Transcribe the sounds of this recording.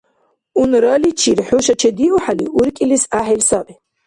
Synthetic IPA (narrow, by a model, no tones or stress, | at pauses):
unɾalit͡ʃʰiɾħuʃɐt͡ʃʰɛd̪iʔuħaliʔuɾkʼilisaːħilsabi